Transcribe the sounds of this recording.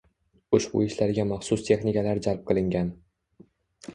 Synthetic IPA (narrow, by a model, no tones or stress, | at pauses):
ʊʃbʊ̰ɪʃlaɾɡʲamɑχsʊst̪ʰe̞χnɪkʲalaɾd͡ʒalˠp̚qʰɨlˠɪŋɡʲan